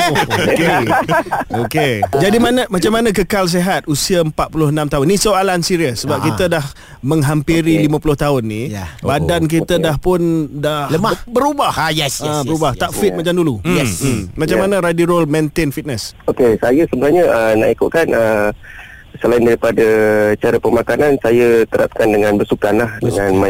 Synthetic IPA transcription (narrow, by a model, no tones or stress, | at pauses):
ke | oked͡ʒadimanəmat͡ʃamːanãk̬əkals̬eɦat̪̚usiəəmpat̪̚pulʊhənãmt̪aɦʊnːisoalansiɾiəsːəbap̚kiədah | mə̃ŋɦampiɾilimãpulʊht̪aʊnːibadank̬it̪ədahpʊndaəmbəɾubahjɛsabəɾubaht̪aʔfit̪̚mat͡ʃamduluɛsmat͡ʃamanãɾadiɾolmẽnt̪enfit̪̚nəsokesajəsəbənaɲəʔəna̰ʔikʊʔ̪̚kanə | səlaɪndaɾipadət͡ʃaɾapəmakanansajət̪əɾa̰p̚kandəŋanbərsukanlahdəŋanma